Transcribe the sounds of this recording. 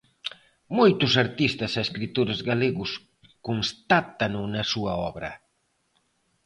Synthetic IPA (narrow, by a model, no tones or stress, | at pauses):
mojt̪ʊsaɾt̪ist̪ɐsaeskɾit̪uɾɐzɣaleɣʊs | kunst̪at̪ɐnʊnɐsuɐɔβɾɐ̰